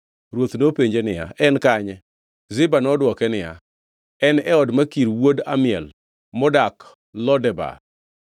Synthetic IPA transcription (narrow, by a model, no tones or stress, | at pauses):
ɾwot̪nopeɲd͡ʒenɪja̰ʔɛnkaɲɛ | zɪbanɔdwɔkɛnɪja̰ | ɛnɛɔdmakiɾwoda̰mɪɛl | mɔdak | lɔdɛba̰